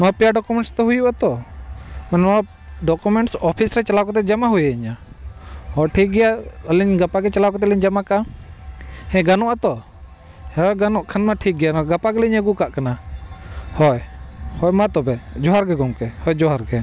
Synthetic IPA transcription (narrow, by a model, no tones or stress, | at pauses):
nɔwapɛjaɖɔkumɛɳʈst̪ɛɦujuʔat̪ɔ | mannɔa | ɖɔkumɛɳʈsɔpʰisɾɛt͡ʃalawkɔt̪̬ɛd͡ʒamaɦujɛiɲa | hɔʈʰiɡɛjaəliɲɡapaɡɛt͡ʃalawkɔt̪ɛliɲd͡ʒamakaa | hɛ̃ɡanɔʔat̪ɔ | ɔjɡanɔʔkʰanmaʈʰik̚ɡɛjanɡapaɡɛliɲəɡukaʔkana | hɔjhɔjmãt̪ɔbɛd͡ʒɔɦaɾɡɛɡɔŋkɛhɔjd͡ʒɔɦaɾɡɛ